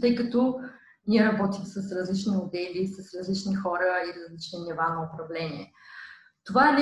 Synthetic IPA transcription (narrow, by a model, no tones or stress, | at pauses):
t̪əjkət̪ɔ | nʲiɛɾɐbɔt̪imsɐsɾɐzlit͡ʃniod̪ɛlisɐsɾɐzlit͡ʃnixɔɾəiɾɐzlit͡ʃninivanɐʊpɾɐvlɛniɛ | t̪ovaɛlʲ